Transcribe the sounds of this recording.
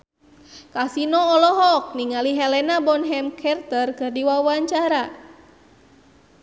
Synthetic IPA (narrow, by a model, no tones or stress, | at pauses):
kasinɔːlɔɦɔk̚niŋaliɦɛlɛnabɔnɦɛmkʰɛrt̪ərkɨrdiwawaɲt͡ʃaɾa